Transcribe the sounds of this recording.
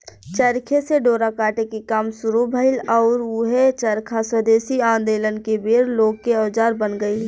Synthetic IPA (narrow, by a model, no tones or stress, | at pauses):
t͡ʃəɾkʰeseɖoːɾakaːʈekikaːmsʊɾubʱəɪlɔːɾuɦet͡ʃəɾkʰaswəd̪eːsiãːnd̪eːlənkebeːɾloːɡ̚keəːd͡ʒaːɾbənɡəil